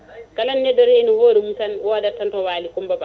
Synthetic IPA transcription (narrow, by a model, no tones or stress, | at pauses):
kalanːɛdɔɾhɛnɔhoːɾimukanwɔːdatːantɔwaːlikumbaba